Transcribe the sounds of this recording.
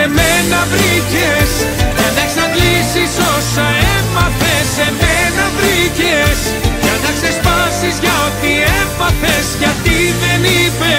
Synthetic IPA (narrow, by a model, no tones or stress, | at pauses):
emenɐvɾices | ʝɐnɐeksɐŋɡlisiso̞sɐefɐθe̞se̞menɐvɾices | ʝɐnɐksespɐsizʝɐot̪iefɐθesʝɐft̪iðe̞nipe